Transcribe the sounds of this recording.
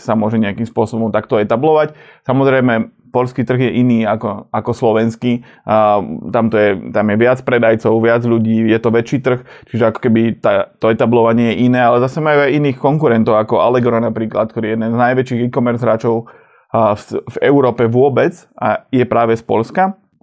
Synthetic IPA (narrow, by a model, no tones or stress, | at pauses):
samʊɔʒɛɲɛakimspʊɔsɔbɔmt̪ak̚t̪ɔɛt̪ablɔʋac | samɔzɾɛjmɛ | pɔʎskit̪r̩ɣjɛʔiniːakɔakɔslɔʋɛnski | t̪amt̪ɔjɛt̪amjɛʋɪat͡spɾɛd̪ajt͡sɔʊʋɪad͡zʎuɟiːjɛt̪ɔʋɛt͡ʃiːt̪r̩xt͡ʃiʒɛakɔ̥kɛbit̪at̪ɔɛt̪ablɔʋaɲɪɛjɛʔinɛːalɛzasɛmajuajiniːxkɔŋkuɾɛnt̪ɔʊakɔʔa̰lɛɡɾɔnapɾiːklat̪̚k̚t̪ɔɾijɛd̪nɛnznajʋɛt͡ʃiːɣikɔmɛɾzɦɾaːt͡ʃɔʊ | vɛʊɾɔːpɛʋʊɔbɛt͡sajɛpɾaːʋɛspɔʎska